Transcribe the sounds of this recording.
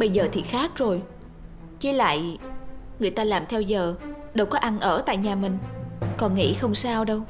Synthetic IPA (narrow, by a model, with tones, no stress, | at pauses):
ɓə˧jzəː˨˩t̪ʰi˨˩xaː˦˥k̚zo˨˩j | t͡ɕi˨˦la̰ː˧˨j | ŋɨ˨˩əjt̪aː˧laː˨˩mt̪ʰɛ˧wzəː˨˩ | ɗə˨˩wkɔ˨˦ʔa˧nʔəː˧˩t̪a̰ː˧˨jɲaː˨˩mï˨˩ŋ̟kɔ˨˩nŋḭ˧˥xə˧wŋ͡msaː˧wɗə˧w